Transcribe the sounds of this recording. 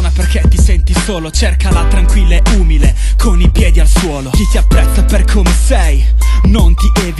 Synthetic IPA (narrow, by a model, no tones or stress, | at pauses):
naperket̪ːisɛnt̪isoːlot͡ʃerkalat̪ɾaŋkwilːeʔuːmilekʰonipjɛːd̪ialswɔːlokit̪iapːɾɛt̪ːaperkʰomesɛjnont̪id̪ev